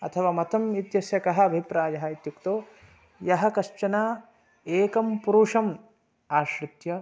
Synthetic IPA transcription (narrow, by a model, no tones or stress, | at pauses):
ɐt̪ʰɐʋaːmɐt̪ɐmit̪jɐsjɐkɐɦɐɐbʱipɾaːjɐɦɐit̪jukt̪oː | jɐɦɐ̆kɐʃt͡ʃɐnaː | eːkɐmpuɾuːʂɐm | aːʃɾɪt̪jɐ